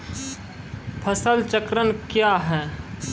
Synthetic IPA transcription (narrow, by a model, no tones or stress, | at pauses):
pʰəsəlt͡ʃəkɾənkjaɦɛː